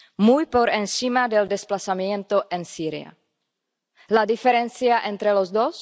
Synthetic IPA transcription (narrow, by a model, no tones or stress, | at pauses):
mujpoɾensimad̪eld̪esplasamjent̪oʔensiɾja̰ | lad̪ifeɾenθjaʔẽnt̪ɾelozd̪os